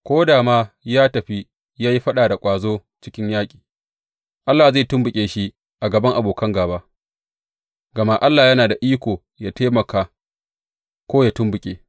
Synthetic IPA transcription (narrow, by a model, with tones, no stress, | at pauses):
kʷoː˦daː˨maː˦jaː˦tɐ˨ɸi˦ | jaː˦ji˦ɸɐ˦ɗaː˨da˨kʷʼaː˨zoː˦ | t͡ʃɪ˦kʲɪ˦ɲjaː˦kʲʼi̥ː˨ | ʔa˦lːaː˨zeː˦˨tʊ˦mbʊ˨kʲʼeː˨ʃi˦ | ʔa˨ɡɐ˨bɐ˦ŋʔa˨boː˨kɐ˦ŋɡaː˨baː˦ | ɡɐ˨ma˦ʔa˦lːaː˨jɐ˦naː˨da˨ʔiː˦kʷoː˨ | jaː˦teː˦mɐ˨kaː˨ | kʷoː˦jaː˦tʊ˦mbʊ˨kʲʼeː˨